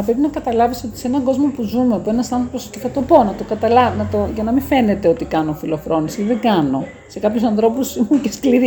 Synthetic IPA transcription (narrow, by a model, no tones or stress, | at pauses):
ɐpɾe̞pinɐkɐt̪ɐlɐviso̞t̪i̥seenɐɡo̞zmo̞puzumepue̞nɐst̪ɐnθoposcefɐt̪o̞po̞nɐt̪o̞kɐt̪ɐlɐnɐt̪oʝɐnɐminfe̞ne̞t̪e̞o̞t̪ikɐnofilo̞fɾo̞nisiðeɡɐno̞ | se̞kɐpçusɐnθɾo̞pusimuceskliɾi